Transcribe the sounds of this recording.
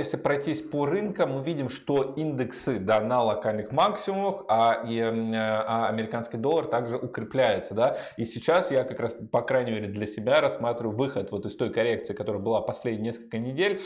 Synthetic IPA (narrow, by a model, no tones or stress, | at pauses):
jesʲlʲɪpɾɐjtʲisʲporɨnkəmːɨvʲidʲɪmʂt̪o̞ind̪ɨksɨd̪anɐlˠɐkalʲnɨxmaksʲɪʊməxai | ɐɐmʲɪɾʲɪkanskʲɪjd̪o̞lˠːərt̪aɡʐɨʔʊkɾʲɪplʲæjʊt̪səd̪aisʲɪt͡ɕasjakɐkɾaspɐkɾajnʲɪmʲeɾʲɪd̪lʲəsʲɪbʲaɾɐsːmat̪ɾʲɪvʊʊvɨxət̪vo̞t̪ɨst̪o̞jkɐɾʲe̞kt̪sɨːkɐt̪o̞ɾəjəbɨlˠapɐsʲlʲedʲnʲɪnʲeskə̥lʲkənʲɪdʲelʲ